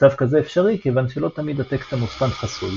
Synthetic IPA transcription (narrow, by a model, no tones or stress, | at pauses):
t͡savkazeefʃaʁikevanʃelo̞t̪amid̪at̪ekt̪amuspanħasuj